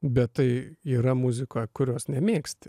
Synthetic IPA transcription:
bʲɛt̪tɐɪiːɾɐmʊzʲɪkoːjkʊɾʲoːsnʲɛmʲeːksʲt̪ʲɪ̥

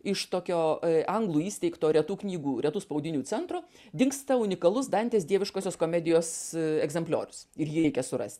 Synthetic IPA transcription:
ɪʃt̪oːkʲoːʔɐŋɡlˠuːiːsʲt̪ʲɛɪkt̪oːɾʲɛt̪uːknʲiːɡuːɾʲɛt̪uːspɐʊd̪ʲɪnʲuːt͡sʲɛnt̪ɾoː | d̪ʲɪŋkst̪ɐʊnʲɪkɐlˠʊsd̪ɐnʲt̪ʲeːsd̪ʲiɛʋʲɪʃkoːsʲoːskoːmʲɛd̪ʲɪjoːsɛɡzʲɛmpʲlʲo̰ːɾʲʊsɪɾjiːɛɪkʲɛsʊɾɐ̰sʲt̪ʲ

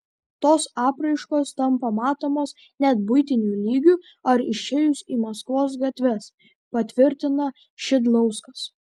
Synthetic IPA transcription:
t̪oːsɑːpɾɐɪʃkoːst̪ɐmpɐmɑːt̪oːmoːs | nʲɛt̪̚bʊɪt̪ʲɪnʲuːlʲiːɡʲu | ɐɾɪʃʲeːjʊsiːmɐskʋoːs̬ɡɐt̪ʲʋʲɛs | pɐt̪ʲʋʲɪɾʲt̪ʲɪnɐ | ʃʲɪd̪lˠɐʊskɐs

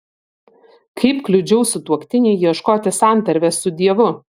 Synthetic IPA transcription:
kʰɐɪpklʲʊd͡ʒʲɛʊsʊt̪uɔkt̪ʲɪnʲɛɪiɛʃkoːt̪ʲɪsɑˑnˑt̪ɐɾʲʋʲɛsʊd̪ʲiɛʋʊ

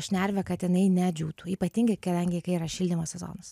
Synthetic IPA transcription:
ʃʲnʲæɾʲʋʲɛkɐt̪jɪnɐɪnʲɛd͡ʒʲuːt̪uːiːpɐt̪ʲiŋɡɐɪkɐd̪ɐŋʲɡʲɪkɐɪiɾɐʃʲilʲd̪ʲɪmɐsʲsʲɛzo̰ːnɐs

